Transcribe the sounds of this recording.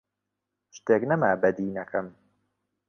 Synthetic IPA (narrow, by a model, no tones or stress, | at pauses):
ʃt̪eːknɐmaːbɐd̪iːnɐkʰɐm